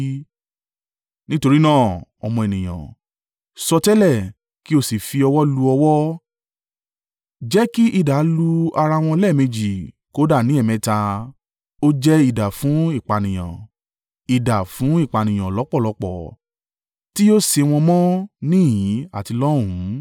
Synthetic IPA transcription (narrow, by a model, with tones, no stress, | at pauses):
nĩ˦to˧ɾi˦nãː˦˨ɔ̰˧mɔ̃˧e˨nĩ˨j̃ã̰˨ | sɔ˧tɛ˦lɛ˦˨ | ki˦o˦˨si˨fi˧ɔ˧wɔ˦lu˧ɔ˧wɔ˦ | d͡ʒɛ˦ki˦ʔi˦˨da˨˦lu˧a˧ɾa˧w̃ɔ̃˧lɛ˦˨mẽ˧d͡ʒi˨ | ko˨˦da˦˨nĩ˨˦ɛ˦˨mɛ̃˧˦ta˧ | o˦d͡ʒɛ˦i˦˨da˨fũ˨˦i˦˨k͡pa˨nĩ˨j̃ã̰˨ | i˨da˨fũ˨˦i˦˨k͡pa˨nĩ˨j̃ã˨lɔ˨˦k͡pɔ˦˨lɔ˨˧˦k͡pɔ˨ | ti˦o˦se˧w̃ɔ̃˧mɔ̃˦nĩ˦˨jĩ˨˦a˦˨ti˧lɔ˦ɾũ˨˦